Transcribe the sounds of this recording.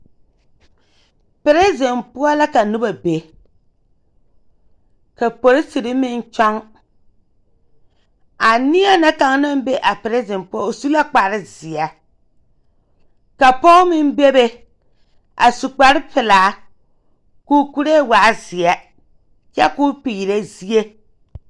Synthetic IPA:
pɪ˨ɾe˦ze˨npʊ˦ɔ˦la˦ka˨nu˦ba˨be˨ | ka˨po˨ɾɪ˦si˨ɾɪ˦mɪ˦n˦t͡ʃɔ˦ŋ | a˨nɪ˦a˦na˦ka˨ŋna˦m˦be˦ʔa˨pɪ˨ɾe˦ze˨npʊ˦ɔ˦o˨su˦la˦k͡pa˨ɾɪ˦zɪ˨a˨ | ka˨pɔ˦mɪ˦n˦be˦be˦ | a̰˨su˨k͡pa˨ɾɪ˦pɪ˨laː˨˦ | ku˦ku˦ɾe˦˨wa˨˦zɪ˨ɛ˦ | t͡ʃɛ˦kʊ˦piː˨ɾe˦zi˦e˦

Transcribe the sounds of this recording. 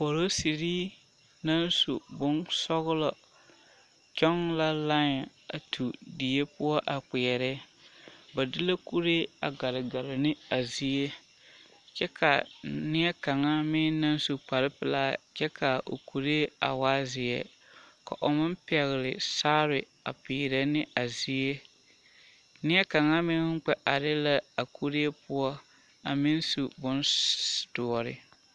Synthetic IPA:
po˨ɾo˦si˨ɾi˦ | na˦nsu˨bʊ˦nsɔ˦ɣʊ˦lɔ˨ | t͡ʃɔ˦ŋla˦la˦ŋ˨ | a˨tʰu˨di˨e˦pʊ˦ɔ˦ʔa˨k͡pɪ˨ɛ˨ɾɛ˦ | ba˨dɪ˦la˦ku˦ɾe˦a˨ɡa˨ɾɪ˨ɡa˨lɪ˨nɪ˦a˨zi˨e˦ | t͡ʃɛ˦kʰa̰˨nɪ˦ɛ˦ka˨ŋa˦mɪ˦na˦n˦su˦k͡pa˨ɾɪ˦pɨ˨laː˦t͡ʃɛ˦kʰa˨ʔo̰˨ku˨ɾe˦a̰˨waː˦zɪ˨ɛ̰˨ | ka̰˨ʔo˨mɪ˦m˦pɛ˨ɣɪ˨lɪ̰˨saː˦ɾɪ˨ | a̰˨piː˨ɾa˦nɪ˦a˨zi˦e˦ | nɪ˦ɛ˦ka˨ŋa˦mɪ˦ŋ̩˦k͡pɛ˦ʔa˨ɾɪ˦la˦a˨ku˦ɾe˦e˦pʊ˦ɔ˦ | a̰˨mɪ˦nsu˨bʊ˦ntu˨ɔ˨ɾɪ̰˨

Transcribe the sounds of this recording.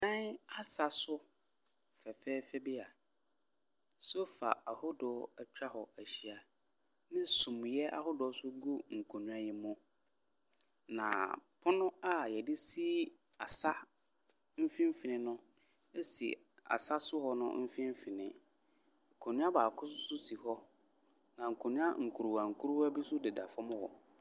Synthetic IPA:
nã˦na˦sa˦sʊ˦ | fɛ˨fɛː˦fɛ˦bi˦a˨ | so˦fa̰˨a˨hʊ˦dɔ˨˦a˨t͡ɕᶣa˦hɔ˨æ˨ɕi˨a˨ | nɪ̃˦sũ˨m˨jɛ˦ʔa̰˦hʊ˦dɔ˨˦sʊ˦ɡo˦ŋ̩˨kʰo˨nũ˨a˨jɪ˨mʊ̃˦ | nã̰˨pʰʊ˦nʊ̃˦a˦jɛ˨dɪ˦si˦ | a˨sa˦ | m̩˦fĩ˦m˦fɪ˨nɪ̃˦nʊ̃˦ | e˦sḭ˨ | a̰˨sa˦sʊ˦hɔ˦nʊ̰̃˦m̩˦fĩ˦m˦fɪ˨nɪ̰̃˦ | ŋ̩˨kʰõ˨nɪ̃˦a˦baː˨kʰʊ˦s̬ʊ˦sʊ˦tʰi˨hɔ˦ | nã˨ŋ̩˨kʰõ˨nʊ̃˦a̰˦ŋ̩˨kʰu˨ɾu˨wa˨ŋ̩˨kʰu˦ɾu˦wa˦bi˦sʊ˦dɪ˨da˨fɔ̃˦m˦wɔ̰˨

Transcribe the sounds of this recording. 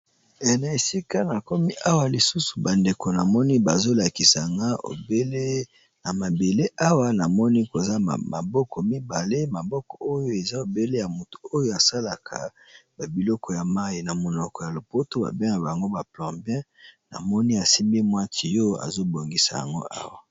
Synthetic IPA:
e˨na˨e˨si˦ka˦na˨ko˦mi˦ʔa˦wa˦li˨su˦su̥˨ba˨nde˨ko˨na˨mɔ˦ni˦ba˨zo˦la˨ki˨sa˨ŋɡa˦o̰˨be˦le˦ | na˨ma˨be˨le˦ʔa˦wa˦na˨mɔ˦ni˦ko˨za̰˦˨ma̰˨bɔ˦kɔ˨mi˦ba˨le˦ma˨bɔ˦kɔ˨o˦jo˦e˨za˦o˨be˦le˦ja˨mu˨tu̥˨o˦jo˦a˨sa˦la˨kʰa̰˨ | ba˨bi˨lɔ˦kɔ˨ja˨ma˦i˨na˨mo˨nɔ˨kɔ˨ja˨lo˨po˦to˦ba̰˨bɛ˦ŋɡa˨ba˨ŋɡo˦ba˨plɔ̃˨bjɛ̃˦ | na̰˨mɔ˦ni˦a˨si˦mbi˦mwa˦tʰi˨jo˦a̰˨zo˦bo˨ŋɡi˨sa̰˨ja̰˨ŋɡo̰˦ʔa̰˦wa˨

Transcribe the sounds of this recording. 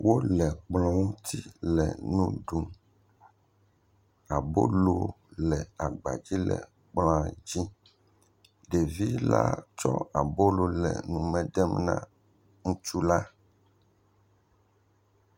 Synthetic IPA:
wʔo˦lɛ˨k͡plɔ̃˨ŋũ˦t̪i˦lɛ̰˨nũ˦ɖũ˨ | a˨bo̰˦lo˦ | lɛ˨a˨ɡ͡ba̰˨d͡ʑi˦lɛ̰˨ | k͡plã˦d͡ʑi˦ | ɖe˨vi˦la̰˦t͡ʃɔ˦a˨bo˦lo˨lɛ̰˨nũ˨mɛ̃˦ɖɛ˦mnã̰˦ | ŋũ˦t͡ʃu˦la˦

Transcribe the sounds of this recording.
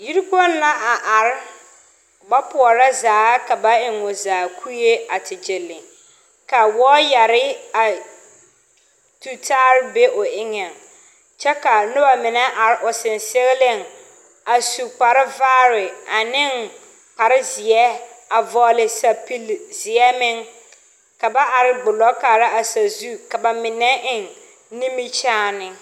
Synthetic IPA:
ji˦ɾi˦kɔ˦nː˦a˦ʔa˨ʔa˨ɾɪ˦ | ba˦pʊ˨ɔ˨ɾa˦zaː˨˦ka˨ba˦ɪ˨ŋʊ˨zaː˨kʰu˦je˦a˨tɪ˨d͡ʒɪ˨lːɪ˨ | ka˨wɔː˦ja˨ɾɪ˦a˨ | tu˨tʰaː˦ɾɪ˦be˦ʔʊ˨ʔɪ˦ŋɛ˨ŋ | t͡ʃɛ˦ka˨nʊ˦ba˨mɪ˨nɛ˦ʔa˨ɾɪ˦ʔʊ˨sɪ˨nsɪ˦ɣɪ˦lɪ˦˨ŋ | a˨su˨k͡pa˨ɾɪ˦vaː˦ɾɪ˨a˨nɪ˦ŋ | pa˨ɾɪ˦zɪ˨ɛ˦a˨vɔ˨lɪ˨sa˨pi˦lzɪ˨ɛ˦mɪ˦ŋ | ka˨ba˦ʔa˨ɾɪ˨ɡ͡bʊ˨lɔ˦kaː˨ɾɪ˦a˨sa˨zu˦ka˨ba˨mɪ˨nɛ˦ʔɪ˨ŋ | nĩ˦mi˦t͡ʃaː˦nɪ˦

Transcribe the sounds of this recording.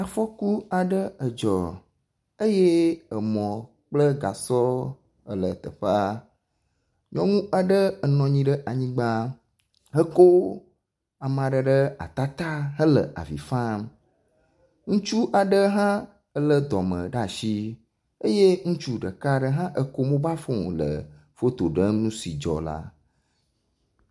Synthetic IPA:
a˨fɔ˦ku˦a˨ɖə˦ə˨d͡ʒɔ̰˨ | e˦je˦ə˨mɔ̃˨ | k͡plə˦ɡa̰˨sɔ˦ | ə˨lə̰˨t̪ə̰˨ɸə˦a˦ | ɲɔ̃˦ŋũ˦ʔa˨ɖə˦ə˨nɔ̃˨ɲĩ˦ɖə˦ʔa˨ɲĩ˦ɡ͡ba˦ | ɦə˦ko˦ | a˨mã˨ɖə˨ɖə˦a̰˨t̪a˦t̪a˦ɦə˦lə̰˨ʔa̰˨vḭ˨fã˦m | ŋũ˦t͡ʃu˦ʔa˨ɖə˦ɦã˦ | ə˦lə˦d̪ɔ˨mə̰̃˨ɖa˨ʃi˦ | e˦je˦ŋũ˦t͡ʃu˦ɖə˨ka˦ɖə˦ɦã˦ʔə˦ko˦mõ˦ba˦fõ˦lə̰˨ | fo˦t̪o˨ɖə˦nũ˦si˨d͡ʒɔ̰˨la̰˦

